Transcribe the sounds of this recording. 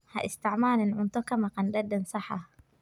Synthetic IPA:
hɐ̰ʔɪst̪ɪʕmaːlɪnʕʊnt̪ɔkɐmɐqɑndɐd̪ːɐnsɐħa

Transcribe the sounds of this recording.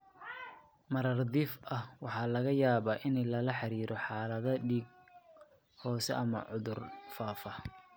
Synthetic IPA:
mɐɾɐrd̪iːfʔɐhwɑħɑːlɐɣɐjaːβaːʔɪnɛlɐlɐħɑɾiːɾʔɔħɑːlɐðɐɖiːɡ̚ | hɔːsɛ̰ʔɐmɐ̰ʕʊðʊrfaːfɐ

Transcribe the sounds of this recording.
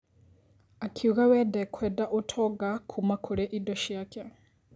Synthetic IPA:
akʰiuɣawɛdɛkʰwɛdaʔotʰɔɡakʰumakʰoɾɛʔidoʃjakɛ

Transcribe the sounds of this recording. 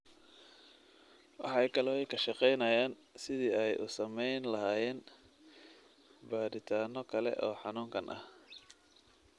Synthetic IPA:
wɑ̰ħɑjkʰɐlɔːjkʰɐʃɑqɛjnɐjaːn | sɪðiːɛjʔʊ̰sɐmɛjnlɐɦaːjɛːn | baːɾɪt̪ʰaːnɔkʰɐlɛ̰ʔɔːħɑnuːŋkʰɐnʔɐ̰h

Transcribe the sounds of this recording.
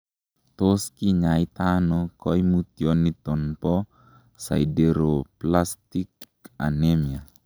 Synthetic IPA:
t̪oskiɲait̪anɔkɔjmut̪iɔnːit̪ɔnpɔ | sa̰idɛɾoplast̪ik | a̰nemia

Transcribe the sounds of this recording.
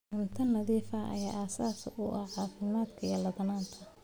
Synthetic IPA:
ɪnt̪ʰɐnlɐðiːfɐʔɐ̰ja̰ːʔaːsaːsʊʔɐʕɑːfɪmaːd̪kʰɐjɐlɐðɐnaːnt̪ʰɐ

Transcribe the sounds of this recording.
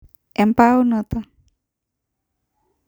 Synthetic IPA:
ɛmpaunɔt̪a

